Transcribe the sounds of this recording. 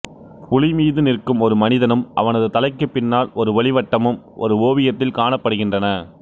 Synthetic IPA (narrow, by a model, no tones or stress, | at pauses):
pʊlɪmiːðɯnɪrkːɯmɔɾɯmɐnɪðɐnɯmʔɐ̰ʋɐnɐðɯt̪ɐlɐɪkːɯpːɪnːaːlɔɾɯʋɐɭɪʋɐʈːɐmɯm | ʔɔ̰ɾɯoːʋɪjɐt̪ːɪlkaːɳɐpːɐɽɯɣɪndrɐnɐ